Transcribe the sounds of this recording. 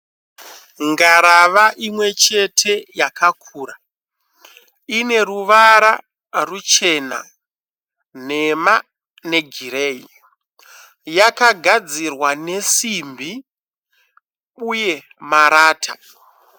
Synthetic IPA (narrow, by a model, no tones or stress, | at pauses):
ŋɡaɾaʋaʔimwe̞t͡ʃe̞tʰe̞jakʰakʰuːra | ine̞ruʋaɾa | rut͡ʃe̞na̰ | n̤e̞ma | ne̞ɡʱiɾeːi | jakaɡʱad͡zirwane̞simbi | uje̞ | maɾaːtʰa